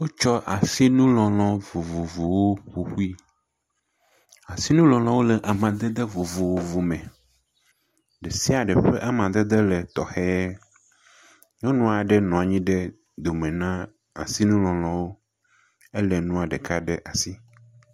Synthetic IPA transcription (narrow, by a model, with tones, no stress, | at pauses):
wo˦t͡ʃɔ˦ʔa˨si˦nũ˦lɔ̃˨l̃ɔ̃˨vu˨vu˨vu˨wo˦ɸu˨xu˦i˦ | a˨si˦nũ˦lɔ̃˨lɔ̃˨wo˦lɛ˨ʔa˨mã˨d̪e˦d̪e˦vu˨vu˨wo˦vu˨mɛ̃˨ | ɖe˨si˦a˨ɖɛ˨ɸe˦ʔa˨mã˨d̪ɛ˦d̪e˦lɛ˨t̪ɔ˨xɛ˦ɛ˦ | ɲɔ̃˦nɔ̃˦a˨ɖɛ˦nɔ̃˨a˨ɲĩ˦ɖɛ˦ | d̪o˨mẽ˨nã˦ | a̰˨si˦nũ˦lɔ̃˨l̃ɔ̃˨wo˦ | e˦lɛ˨nũ˦a˨ɖɛ˨ka˦ɖɛ˦ʔa˨si˦